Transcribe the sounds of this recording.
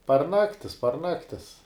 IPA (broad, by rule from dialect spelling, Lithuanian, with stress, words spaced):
pɐr ˈnɑːktʲɪs pɐr ˈnɑːktʲɪs